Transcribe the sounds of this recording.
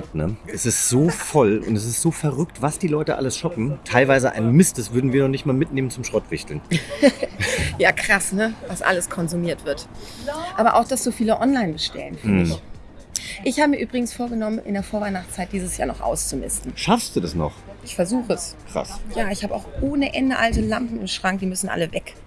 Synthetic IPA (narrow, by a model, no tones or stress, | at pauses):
tnəʔɛsɪstz̥oːfɔlʊ̰ntɛs̬ɪstz̥oːfɛɐʁʏktv̥asd̥iːlɔʏtəʔa̰ləsʃɔpm̩tʰaɪlvaɪzəʔa̰ɪnənmɪst̚d̥asv̥ʏɐdn̩viːɐnɔχnɪçtmaːlmɪtneːmənt͡sʊmʃʁ̥ɔtv̥ɪçtl̩n | jaːkʁ̥asnəvasʔa̰ləskʰɔnzumiːɐtv̥ɪɐt | ʔaːbɐʔa̰ʊxd̥asz̥oːfiːləʔɔnlaɪnbəʃtɛ̰lənfyɐmɪç | ʔɪçhaːbəmiːɐʔyːbʁɪɡŋ̩sfoːɐɡənɔmənʔɪ̰ndeːɐfoːɐvaɪnaχt͡st͡sːaɪt̚d̥iːzəsjaːnɔχʔa̰ʊst͡sumɪ̰stn̩ʃafstd̥uːdasnɔ̰χʔɪçfɛɐzuːxəəskʁ̥a̰sjaːɪçhaːbəa̰ʊxʔoːnəʔɛndəʔaltəlampm̩ɪmʃʁ̥aŋk̚d̥iːmʏsn̩ʔa̰ləvɛk